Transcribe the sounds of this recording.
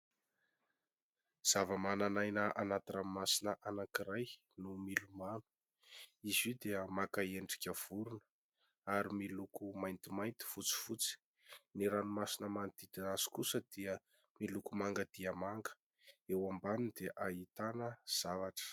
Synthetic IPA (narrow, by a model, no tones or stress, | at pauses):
z̥avəmananajnəʔanat̪iramimasinəʔanakiɾaj | numilumanu̥ | izid̪eəmakaeɳɖ͡ʐi̥kʲəv̥uɾunə̥ | aɾimilukumajnt̪imajnt̪i̥fut͡si̥fut͡si̥ | niɾanumasinəmant̪id̪aaz̥i̥kusəd̪iə | milukumaŋɡəd̪̥iəmaŋɡə̥ | ewambanind̪eʔait̪anəz̥avaʈ͡ʂə̥